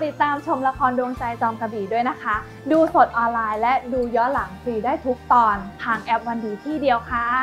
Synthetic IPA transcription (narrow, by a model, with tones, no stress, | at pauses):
t̪i˨˩t̪ːaː˧mt͡ɕʰo˧mla˧kʰɔː˧ndu˧ə˧ŋt͡ɕa˧jt͡ɕɔː˧mka˧biː˨˩du˥˩əjna˦˥kʰa˦˥ | duː˧so˨˩t̪̚ʔɔː˧nlaː˧jlɛ˦˥ʔduː˧jɔ˦˥la˩˦ŋsiː˨˩daː˥˩jt̪ʰu˦˥k̚t̪ɔː˧nt̪ʰaː˧ŋʔɛ˦˥p̚wa˧nduː˧˩t̪ʰiː˥˩di˧əwkʰaː˦˥˩